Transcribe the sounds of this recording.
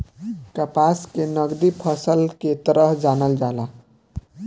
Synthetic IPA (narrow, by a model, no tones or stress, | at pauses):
kəpaskenəɡd̪ipʰʌsəlket̪əɾəɦd͡ʒanəld͡ʒala